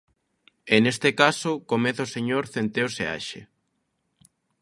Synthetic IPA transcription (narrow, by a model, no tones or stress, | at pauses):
enest̪ekasʊkomeθaoseɲoɾθent̪eosḛa̰ʃḛ